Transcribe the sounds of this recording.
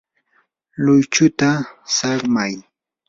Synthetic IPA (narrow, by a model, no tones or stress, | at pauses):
lʊjt͡ʃʊt̪asɑχmaj